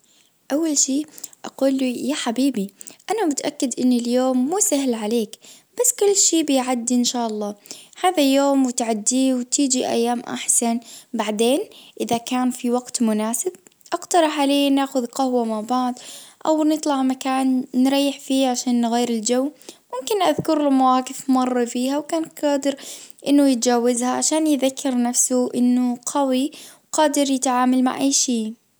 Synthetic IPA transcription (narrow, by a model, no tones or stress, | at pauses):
ʔawːalʃiːʔa̰quːlːjaħabiːbiʔanamɪt̪ʔakːɪd̪ʔɪnːɪljoːmːuːsaɦlʕaleːk | b̥asːkʊlːʃiːbɪjʕad̪ːiʔɪnʃaːʔɑlˤːɑːhaːðajoːmwɪt̪ʕad̪ːiːwt̪iːd͡ʒiʔa̰jːaːmʔa̰ħsanbaʕd̪eːnʔɪðakaːnfiwaɡt̪mʊnaːsɪb̚ʔaɡt̪ɑɾˤɑħʕaleːanaːxʊðqahwamabaʕd̪ʔa̰wnɨt̪ˤlɑʕmakaːnːɾˤɑjːɪħfiːʕaʃaːnːɣiːɾɪld͡ʒawːmʊmkɪnʔaðkʊɾlmawaːqɪfmɑrˤːɑfiːhawkaːnqɑːd̪ɪɾʔɪnːʊjɪt̪d͡ʒaːwːazhaʕaʃaːnjɪðakʰːɪɾnafsʊʔɪnːʊqʰɑwiwqɑːd̪ɪɾjɪt̪ʕaːmalma̰ʕʔajːʃiː